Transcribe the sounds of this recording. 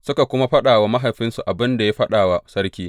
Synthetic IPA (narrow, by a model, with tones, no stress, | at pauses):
sʊ˦ka˨kʷʊ˦ma˦ɸɐ˦ɗaː˨wa˦ma˦ɦa˨jɸɪ˦nsu˨ʔa˨bɪ˦nda˨ja˦ɸɐ˦ɗaː˨wa˨sɐ˦rkʲiː˦